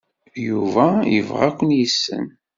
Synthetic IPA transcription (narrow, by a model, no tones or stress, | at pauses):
juvæjəvʁækʷːənjəsːə̰n